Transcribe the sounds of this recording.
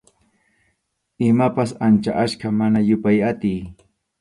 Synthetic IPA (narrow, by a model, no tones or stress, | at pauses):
ɪmapasant͡ʃa̰ʔaʃɢɑmanajʊpajat̪ɪj